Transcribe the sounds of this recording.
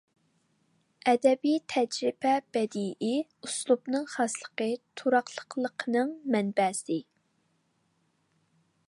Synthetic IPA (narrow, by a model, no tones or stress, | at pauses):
ɛd̪ɛbijt̪ʰɛd͡ʒɾɪbɛb̥ɛd̪iʔɪuslˠubnɨŋχɑslˠəqət̪ʰuɾɑqlˠə̥qlˠəqʰənɨŋmɛnbɛsɪ